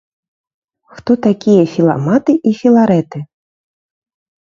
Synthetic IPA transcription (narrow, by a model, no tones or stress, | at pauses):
xt̪ɔt̪akʲijɐfʲilˠa̰mat̪ɨʔifʲilˠaɾɛt̪ɨ